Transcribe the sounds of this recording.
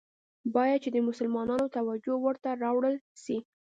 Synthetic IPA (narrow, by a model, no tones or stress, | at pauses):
bɑjad̪̚t͡ʃed̪əmʊsʊlmɑnɑnot̪awad͡ʒowəɾt̪aɾɑwɽəlʃi